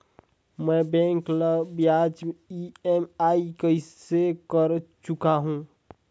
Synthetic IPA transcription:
mɛ̃bɛ̃ŋkləbjad͡ʒiemaikəɪsekəɾt͡ʃʊkaɦũː

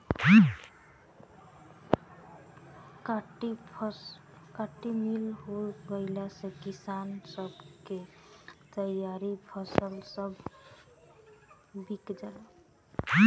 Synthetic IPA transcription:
ʈ | kaʈːimilɦoɡəɪlasẽkisansəbket̪əjaɾipʰəsəlsəbʱ | bikd͡ʒae

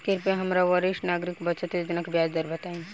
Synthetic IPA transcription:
kɪɾpẽɦɐmɾaʋəɾɪʃnaːɡɾɪkbət͡ʃət̪ed͡ʒ̪ɪnəkbjaːd͡ʒd̪əɾbət̪aːĩ

